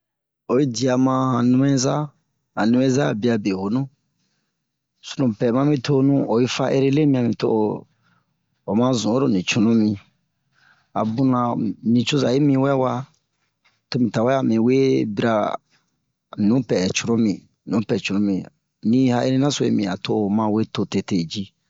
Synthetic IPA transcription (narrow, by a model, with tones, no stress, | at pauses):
o˨ji˦di˨a˨mã˧hã˨nũ˦mɛ̃˦za˦ | hã˨nĩ˦mɛ̃˦za˦˨bi˦a˧be˨ho˨nũ˦ | su̥˨nũ˨pɛ˨mã˦mĩ˦tʰo˦nũ˦o˨ji˦fa˦ʔḛ˦ɾe˦le˦mĩ˦ã˨mĩ˨to̰˦o˨ | o˨mã˦zũ˨˦o˦ɾo˨nĩ˨t͡ʃu˨nũ˦mĩ˨ | a̰˨bũ˦nã˨nĩ˨t͡ʃu˦za˨je˦mĩ˧wɛ˦wa˧ | to˦mĩ˨ta˨wɛ˦a˨mĩ˨we˦bi˦ɾa˧ | nũ˨˦pɛ˨t͡ʃu˨ɾũ˦mĩ˨ | nũ˨˦pɛ˨t͡ʃu˨nũ˦mĩ˨ | nĩ˦ha˦ʔḛ˦ɾe˦nã˦so˨ḛ˦mĩ˨a˨to˦o˨mã˧we˦to˧te˨te˨d͡ʒi˦